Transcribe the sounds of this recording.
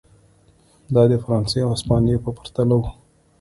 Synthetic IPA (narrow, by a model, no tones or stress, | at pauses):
d̪ɑd̪əfaɾɑnseawaspɑnijepəpḁɾt̪alawu